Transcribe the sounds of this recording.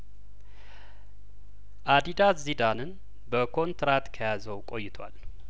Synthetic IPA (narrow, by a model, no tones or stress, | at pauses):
ʔad̪id̪azid̪anɨn | bəkʰo̞nt̪ɾat̪kʰəjazəwkʼo̞jːɪt̪ʰwa̰l